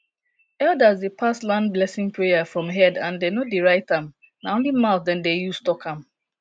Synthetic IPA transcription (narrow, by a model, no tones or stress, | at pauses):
ɛldazdepʰaslãnblɛsɪ̃ŋpʰɹejafɹɔ̃mɦɛdãndenodeɹaɪtãm | naõnlimaʊt̚dɛ̃ndejustɔkãm